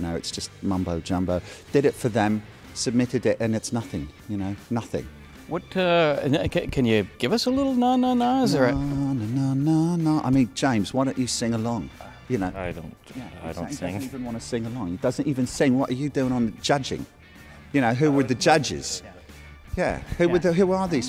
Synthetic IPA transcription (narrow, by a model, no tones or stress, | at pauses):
jɨnoʊɨtsd̥ʒ̥ʌst̚mʌ̃mboʊd͡ʒʌ̃mboʊd̥ɨɾɪtfə˞ðə̃m | sɨb̚mɪɾɨɾɪtɨ̃nɨtsnʌθɪ̃ŋjɨnoʊnʌθɪ̰̃ŋ | wʌtʌɪnɨkʰɨ̃njɨɡ̥ɪvʌsəlɪɾl̩ˠnanoʊnaɪzə˞ɪnonoʊnoʊnəʊʔa̰ɪmĩnd͡ʒẽɪ̃mz̥waɪɾə̃ʊ̃nt͡ʃɨsɪ̃ŋəlɔ̃ŋ | jɨnoʊɪdõ̰ʊ̃njæa̰ɪ̃ŋivɨ̃nʔwɑ̃ntəsɪ̃ŋəlɔ̃ŋɨd̥ʌzə̃n̩tivɨ̃nsɪ̃ŋwʌɾə˞jɨdʉɪ̃ŋə̃nd͡ʒʌd͡ʒɪ̰̃ŋ | jɨñoʊɦʉwə˞ðɨd͡ʒʌd͡ʒɪ̰z̥ | jæ̰hʉwə˞ðɨɦʉə˞ðiz̥